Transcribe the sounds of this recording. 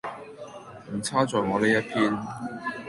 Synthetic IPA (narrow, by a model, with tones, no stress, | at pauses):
m̩˨˩t͡sʰaː˥t͡sɔː˨jŋɔː˨˧ne˥jɐ˥t̚pʰiː˥n